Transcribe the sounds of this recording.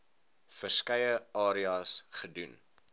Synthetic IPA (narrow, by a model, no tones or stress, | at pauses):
fərskɐjəɑːɾiɑːsχədun